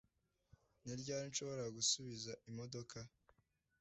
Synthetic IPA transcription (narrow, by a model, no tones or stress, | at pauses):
niɾɟaːɾinʃo̞βo̞ɾaɡusuβizaʔimodo̞kʰa